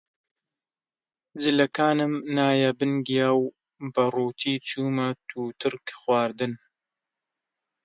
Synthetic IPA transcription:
zɨlɐkaːnɨmnaːjɐbɨnɡijaːw | bɐruːt̪ʰiːt͡ʃʰuːmɐt̪ʰuːt̪ʰɨɾkχwaːɾd̪ɨn

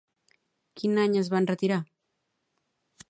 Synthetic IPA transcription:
kʰinaɲezβanrət̪iɾa

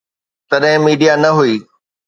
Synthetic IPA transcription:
t̪ɐɗɦɪ̃miːɖijanɐɦuiː

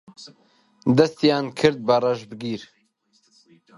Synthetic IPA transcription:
d̪ɐst̪jɑːnkʰɨɾd̪̚bɐrˤɑʒbɨɡiːɾ

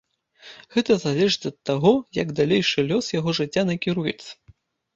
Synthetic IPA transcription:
ɣɛt̪ɐzalʲɛʐɨt͡sʲɐt̪ːaɣɔjɐɡd̪alʲejʂɨlʲɔsjaɣɔʐɨt͡sʲːanɐkʲiɾujɛt̪sːɐ̥

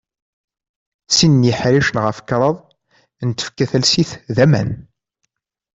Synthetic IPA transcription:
sinːiħɾiʃənʁəfə̥kːɾˤɑðˤ | nt̪ːə̥fkːæθəlsiθðæmæ̰n

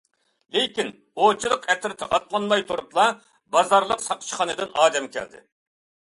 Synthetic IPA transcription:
lekʲin | ot͡ʃʰilˠəqɛt̪ɾɪt̪ʰɪʔɑt̪lˠɑnmɑjt̪ʰuɾuplˠɑ | bɑzɑɾlˠəqsɑqʰʃχɑnɨd̪ɪnɑːd̪ɛmkʲʰɛ̰ld̪ɪ̰

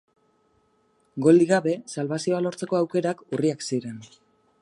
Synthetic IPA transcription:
ɡo̞ld̪iɣaβe̞salβasio̞alo̞ɾt͡se̞ko̞awke̞ɾakuriaksiɾe̞n

